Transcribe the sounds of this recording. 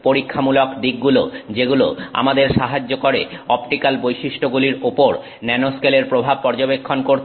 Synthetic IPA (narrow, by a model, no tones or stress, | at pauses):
poɾikʰːamulokd̪iɡ̚ɡulod͡ʑeɡulo̰a̰mad̪eɾʃaɦad͡ʑːokoɾḛɔpʈikalbojʃiʃʈʰoɡuliɾopoɾ | nɛnoskeleɾpɾobʱab̚pɔɾd͡ʑobekʰːonkoɾʰ